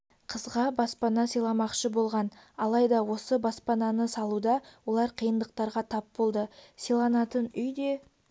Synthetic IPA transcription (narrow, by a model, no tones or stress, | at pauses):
qʰəzʁɑbɑspɑnɑsijlˠɑmɑqʃəbo̞lˠʁɑnɑlˠɑjd̪ɑwo̞səbɑspɑnɑnəsɑlˠud̪ɑwo̞lˠɑɾqʰəjənd̪əq̚t̪ɑɾʁɑt̪ʰɑpbo̞lˠd̪əsijlˠɑnɑt̪ənʏjd̪e̞